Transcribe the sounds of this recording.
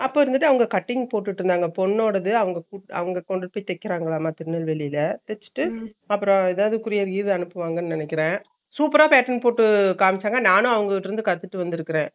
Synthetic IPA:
ɐpːoːɪɾɯnd̪ɯʈːɯɐʋɐŋɡɐkɐʈːɪŋɡpoːʈ̬ːɯʈːɪɾɯnd̪aːŋɡɐpɔnːoːɽɐðɯɐʋɐŋɡɐkuʈɐ̰ʋɐŋɡɐkɔɳɖɯpoːjt̪ɛkːɪɾaːŋɡɐɭaːmaːt̪ɪɾɯnɐlʋɛɭɪjɪlɐt̪ɛt͡ʃːɯ̥ʈːɯ | ɐpːɯɾɔ̃ɛðaːʋɐðɯkʊɾɪjɐɾɡiːɾðɐnɯpːɯʋaːŋɡɐnːɯnɪnɛkːɪɾẽː | suːpɐɾaːpeːʈːɐnpoːʈːɯkaːmɪt͡ʃːaːŋɡɐnaːnʊ̃ɐʋɐŋɡɐɪʈːɪɾɯnd̪ɯkɐt̪ːɯʈːɯʋɐnd̪ɪɾɯkːɪɾẽː

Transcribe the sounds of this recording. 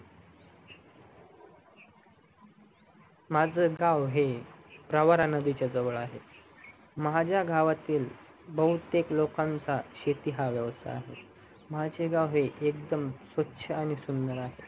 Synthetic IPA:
mad͡zəːɡawɦepɾəʋaɾanəd̪it͡ɕjad͡zəʋəɭaɦḛ | mɦad͡ʑjaɡʱaʋat̪iːl | bəɦut̪eklokãnt͡saɕet̪iɦaʋjəʋst̪ʰa̰ːɦḛ | mat͡ɕeɡawɦeʔek̚d̪əmsʋətːɕʰəaɽ̃isund̪əɾaɦe

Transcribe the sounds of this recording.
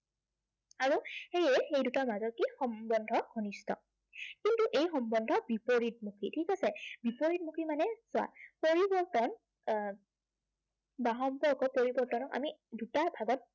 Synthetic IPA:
aɹuxejɛxejdutamazɔtkixɔmbɔndʱɔɡʱɔnistʰɔ̰ | kintuʔejxɔmbɔndʱɔbipoɹit̚mukʰitʰikasɛbipoɹit̚mukʰimanɛsʊa̰poɹibɔɹtɔn | baɦɔmpɔɹkɔpoɹibɔɹtɔnɔka̰midutabʱaɡɔt̚

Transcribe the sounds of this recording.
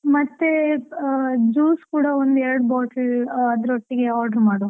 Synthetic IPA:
mɐt̪ːe | d͡ʒuːskuːɽɐond̪ɛɾɐɽubaːʈɐlɐd̪ɐɾoʈːiɡeaːɾɖɐɾmaːɽo

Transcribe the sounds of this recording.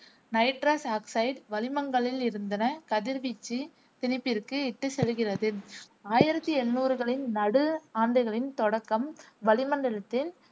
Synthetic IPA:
nɐɪʈɾaːsaːksɐɪɖʋɐlɪmɐŋɡɐɭɪlɪɾɯnd̪ɐnɐkɐðɪɾʋit͡ʃːi | t̪ɪnɪpːɪrkɯɪʈːɐsɛlɯɣɪrɐðɯ | aːjɪɾɐt̪ːiɛnːuːɾɯɣɐɭɪnnɐɽɯaːnd̪ɐɪɣɐɭɪnt̪ɔɽɐkːɐmʋɐlɪmɐndɪɭɐt̪ːɪn

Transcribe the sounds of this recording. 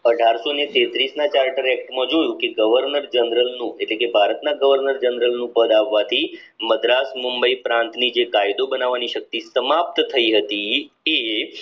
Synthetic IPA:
əɖʱaɾsonet̪et̪ɾisnat͡ʃaɾʈəɾɛk̚ʈmə̃d͡ʒojũkeɡəʋəɾnəɾd͡ʒənɾəlnũeʈlekebʱaɾət̪naɡəʋəɾnəɾd͡ʒənɾəlnũpəd̪aʋːat̪ʰi | məd̪ɾasmumbəipɾãnt̪nid͡ʒekajd̪obənaʋaniʃək̚t̪isəmap̚t̪t̪ʰəiɦət̪i | e

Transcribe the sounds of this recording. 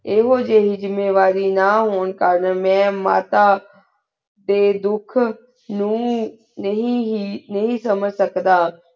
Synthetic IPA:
ɪɦod͡ʑeːɦɪd͡ʑɪmeːʋaːɾinaɦoːn̆kaːɾəñmɛ̃ma̰ːt̪a | t̪eːd̪ʊkʰ | nũ | nɐɦĩɦnɐɦĩsɐməd͡ʑʱsɐk̪d̪aː

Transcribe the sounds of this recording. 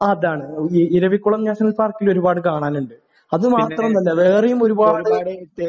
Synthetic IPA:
aɐðaːɳɨiɾɐʋikːuɭɐmɲaːɕɐŋɐlpaːrkilo̞ɾubaːɽɨkaːɳaːnuɳɖɨ | ɐðɨmaːt̪rɐmt̪ɐlːɐʋeːrɐjumo̞ɾubaːɽaːɽeitːe

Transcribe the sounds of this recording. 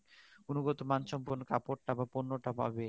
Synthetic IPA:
unuɡɔt̪omant͡ɕɔmponkapoɾʈabaponːoʈapa̰be

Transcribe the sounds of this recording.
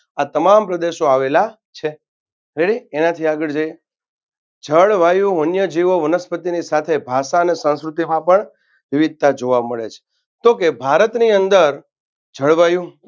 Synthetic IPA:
at̪əmampɾəd̪eʃoaʋela | t͡ʃʰe | ɾeɽienat̪ʰiaɡəɭd͡ʒaje | d͡ʒʱəɭʋajũənjəd͡ʒiʋoʋənəspət̪inisat̪ʰebʱaʃaənesə̃ñskɾut̪imãpəɳ | ʋiʋid̪̚t̪ad͡ʒoʋaməɭet͡ʃʰe̥ | t̪okebʱaɾət̪niənd̪əɾ | d͡ʒʱəɭʋajũ

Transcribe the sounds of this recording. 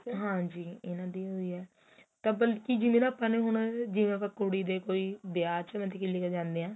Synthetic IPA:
ɦãːd͡ʒiːɪnãːd̪iːɦoːiːɛː | t̪ãːbəlkiːd͡ʒɪmẽñaːpːãːnẽːɦʊɳ̃d͡ʒɪʋẽːapãːkoɽiːd̪eːkoːiːbɪjaːɾt͡ʃmɛ̃ːt̪ɪkɪlːiːkəd͡ʒãːnd̪eːãː

